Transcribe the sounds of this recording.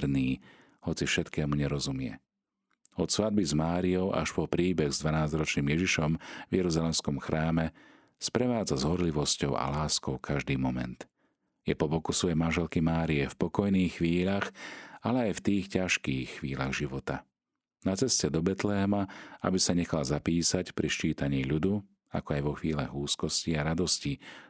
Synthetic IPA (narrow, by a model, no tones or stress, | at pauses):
ɾniː | hɔt͡sifʃɛt̪kɛːmuɲɛɾɔzumɪɛ̰ | ɔt̪sʋad̪̚bizmaːɾiɔʊʔa̰ʃpɔpɾiːbɛɣzd̪ʋanaːzɾɔt͡ʃniːmjɛʒiʃɔmvjɛɾuzalɛmskɔmxɾʔaːmɛ | spɾɛʋaːd͡zazɦɔɾliʋɔscɔʊa̰laːskɔʊkʰaʒd̪iːmɔmɛ̰nt̪ | jɛpɔbɔkusʋɔjɛjmanʒɛlkimaːɾijɛfpɔkɔjniːxːʋiːʎaxalɛajft̪iːxcaʃkiːxːʋiːlaɣʒiʋɔt̪a | nat͡sɛscɛd̪ɔbɛt̪lɛɦɛmaa̰bisaɲɛxalzapiːsacpɾiʃt͡ʃiːt̪aɲiːʎud̪u | a̰kɔajʋɔxʋiːlaɣuːskɔsciaɾad̪ɔsci